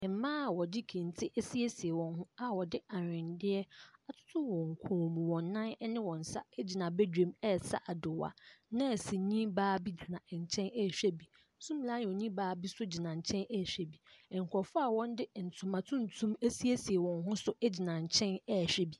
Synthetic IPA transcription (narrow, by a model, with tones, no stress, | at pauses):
ɛ˨m̩˨˦mã˦a˨wɔ˨dɪ˦kʰẽ˨n˨tʰɪ˦ʔɛ˦si˦e˦si˨e˨wɔ̃˨nɦʊ̃˦a˨wɔ˨dɪ˦a˨ɾɪ̃˨ndɪ˦ɛ˦a˨tʰʊ̥˦tʰʊ˦wɔ̃˨ŋ̩˨kʰɔ̃˨mũ˨wɔ̃˨nː˦ã˦nɛ˦nɪ̃˦wɔ̃˨n̩˨sa̰˦ɛ˦d͡ʑi˨nã˨bɛ˦dᶣẽ˨mɛ˦˨sa̰˦˨ʔa˨dʊ˨wa̰˨nã˦ɛ˨sɪ˨ɲĩ˦baː˦bi˦d͡ʑi˨nã˨ɛ˨ɲ̩˨t͡ɕʰɛ̃˦nɛ˦˨ɕᶣɛ˦bi˨ | n̩˦sũ˦m˨la˦n˨ɔ̃˨ɲĩ˦baː˦bi˦sʊ˦d͡ʑi˨nã˨ɲ̩˨t͡ɕʰɛ̃˦nɛ˦˨ɕᶣɛ˦bi˨ɛ˨ŋ̩˨kʰɔ˨fʊ˦a˨wɔ̃˦n˦dɪ˦˨n̩˨tʰʊ̃˨mã˨tʰũ˦n˨tʰũ˦me˦si˦e˦si˨e˨wɔ̃˨nɦʊ̃˦sʊ˦ʔɛ˦d͡ʑi˨nã˨ɲ̩˨t͡ɕʰɛ̃˦nɛ˦˨ɕᶣɛ˦bi˨